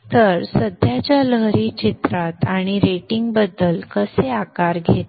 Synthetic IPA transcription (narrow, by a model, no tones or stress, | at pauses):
t̪əɾsəd̪ʱjat͡ɕjaləɦɾit͡ɕit̪ɾat̪aɽ̃iɾeʈiŋɡbəd̪ːəlkəseakaɾɡʱet̪